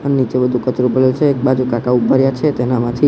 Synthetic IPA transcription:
ənenit͡ʃebəd̪ʱukət̪ɾupəlet͡ʃʰeːk̚bad͡ʒukaʈaubʱaɾjat͡ʃʰet̪enamãt̪ʰi

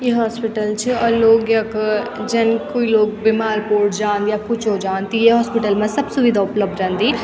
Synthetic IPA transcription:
jeɦɔːspiʈəlt͡ʃʰiɔɾloːɡjɐkd͡ʒɐnkoːiloːk̚bimaːɾpoːʈʰd͡ʒãːnd̪ijapʊt͡ʃʰɦod͡ʒaːnt̪ijeɦɔːspiʈəlmãsɐbsʊʋid̪ʱaʊpləb̚d̪ɾɛ̃ːnd̪i

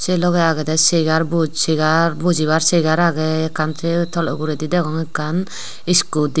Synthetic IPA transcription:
selɔɡɛaɡɛd̪ɛseɡaɾbuseɡaɾbud͡ʒiβaɾseɡaɾaɡɛːkʰansɛt̪ʰɔlɔ̰ɡuɾɛd̪id̪ɛkɔŋɛkːan | iskud̪i

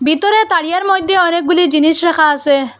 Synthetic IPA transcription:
bit̪ɔɾet̪aɽijaɾmojd̪ʱːjeɔnek̚ɡulid͡ʑiniʃɾɛkʰaːse

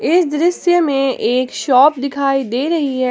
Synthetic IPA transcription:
ɪsd̪ɾɪsjəmẽʔeːkʃɔːp̚d̪ɪkʰaːid̪eːɾɐɦiɦɛ

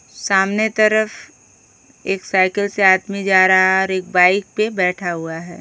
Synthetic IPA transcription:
saːmnet̪ɐɾəf | eːksaːɪkəlseaːd̪mid͡ʒaːɾaɔːɾeːk̚baːɪk̚pebɛːʈʰaɦuaɦɛ̰ː

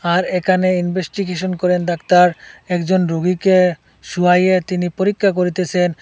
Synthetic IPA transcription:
aɾekʰaneinbesʈiɡeʃ̬onkoɾend̪akt̪aɾɛkd͡ʑonɾoɡike | ʃuajet̪inipoɾikʰːak̬oɾit̪et͡ɕʰen

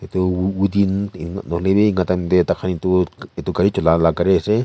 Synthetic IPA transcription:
et̪uwud̪inanoleβeŋɡat̪amd̪et̪akʰanit̪uet̪ukaɾit͡ʃolalakaɾese

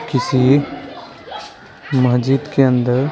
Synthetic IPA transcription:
kɪsi | məɦd͡ʒiːd̪keənd̪əɾ

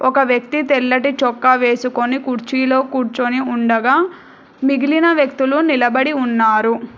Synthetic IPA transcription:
ɔkɐʋjɐk̚t̪it̪ɛlːɐʈit͡ʃɔkːɐʋe̞ːsuko̞nikuɾt͡ʃiːlo̞ːkuːɾt͡ʃoniuɳɖɐɡaː | miɡilinɐʋjɐk̚t̪ulunilɐbɐɽiunːaːɾu

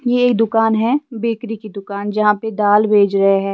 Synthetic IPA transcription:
jeːkd̪ʊkaːnɦɛbeːkɾikid̪ʊkaːnd͡ʒɐɦãped̪aːlbʱeːd͡ʒɾɐɦeɦɛ̃ː

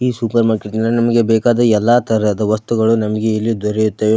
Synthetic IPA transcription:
iːsupɐɾmaːɾkeʈnɐlːɐnɐmɐɡe̞bɛːkaːd̪ɐɛlːaːt̪ɐɾɐd̪ɐʋɐst̪uɡɐɭunɐmɐɡe̞ilːiud̪ɔɾɛjut̪ːɐʋe

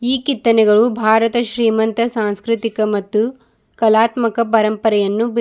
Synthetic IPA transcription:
iːkit̪ːɐnɛɡɐɭubʱaːɾɐt̪ɐʃɾiːmɐnt̪ɐsaːnskɾɪt̪ikɐmɐt̪ːu | kɐlaːt̪mɐkɐpɐɾɐmpɐɾɛjɐnːub

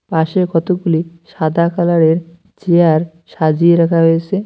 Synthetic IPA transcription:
paʃekɔt̪oɡuliʃad̪ʱakalaɾeɾ | t͡ɕeaɾ | ʃad͡ʑieɾakʰaɦojet͡ɕʰe

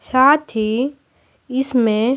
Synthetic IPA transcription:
saːt̪ʰi | ɪsmẽ

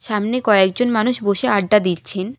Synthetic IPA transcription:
ʃamnekɔek̚d͡ʑonmanuʃboʃeaɖːad̪itt͡ɕʰen

